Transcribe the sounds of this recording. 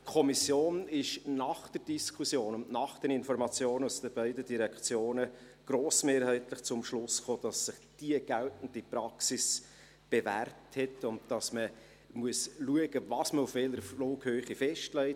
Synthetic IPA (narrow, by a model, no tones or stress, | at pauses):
kʰɔmisjoːnɪʃnɑχd̥əɾd̥iskʰusjoːnʊnnɑχd̥ɛɾɪnfɔɾmɑt͡sjoːnusd̥əbæɪdəd̥iɾɛkt͡sjoːnə | ɡ̥ɾoːsmeːɾhæɪtlɪχt͡sʊmʃlʊsχoːd̥ɑsːɪχd̥iəɡ̥æltn̩d̥ipɾɑksis | b̥evæːɾthɛtʊnt̚d̥ɑsmə | muəsluəɡəvɑːsməʊfʋɛləɾfloːkhøːχifɛʃtlɛɪ